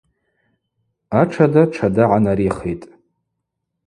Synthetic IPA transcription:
aʈ͡ʂʰadaʈ͡ʂʰadaʕanaɾiχejtʼ

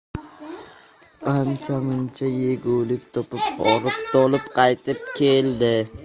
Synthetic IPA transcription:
qʰant͡ʃʰamʊnt͡ʃʰajeɡʲuwlɪkʲt̪ʰɒpɪpɒɾɪpt̪ʰɒlɪpqʰɑjt̪ʰɪp̚kʲʰeld̪ɪ

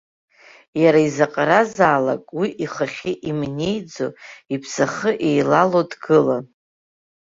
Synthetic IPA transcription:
jaɾaizaqʼaɾazaːlakʼwiʔiχaχʲiʔimne̞jd͡zo̰ipʰsaχəʔejlalodɡɨlan

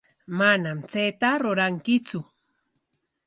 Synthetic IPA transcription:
manamt͡sejt̪aɾʊɾaŋkɪt͡sʊ

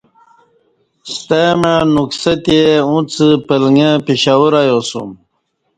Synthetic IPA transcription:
st̪emənuksɐt̪ieũt͡sɨpəlŋepiɕawuɾajosṵm

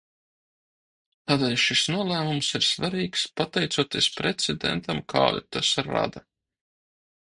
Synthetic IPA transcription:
t̪aːd̪ɛːlʲʃisnuɔlˠæːmumsiɾsvaɾiːkspat̪ɛjt̪suɔt̪iɛspɾɛt̪sʲɛd̪ɛ̰nt̪amkʰa̰ːd̪ṵt̪asɾa̰d̪a

